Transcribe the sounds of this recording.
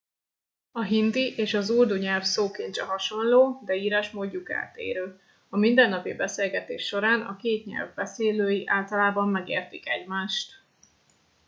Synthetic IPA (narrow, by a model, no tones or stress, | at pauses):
ɒɦind̪iʔeːʃɒzuld̪uɲɛlfsoːkint͡ʃɛɦɒʃo̞nloːd̪ɛiːɾaːʃmoːɟːuka̰ːt̪ḛːɾøː | ɒmind̪ɛnːɒpḭbɛseːlɡɛt̪ḛːʃːo̞ɾaːnɒ̰keːt̪ɲɛ̰lvbɛseːløːjiʔaːlt̪ɒlaːbɒmːɛɡḛːrt̪ikɛ̰ɟmaːʃt̪